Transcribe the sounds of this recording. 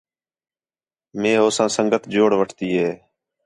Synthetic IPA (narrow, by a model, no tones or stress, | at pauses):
meːɦoːsãːsəŋɡət̪ʰd͡ʒoːɽʋəʈʰt̪iːɦeː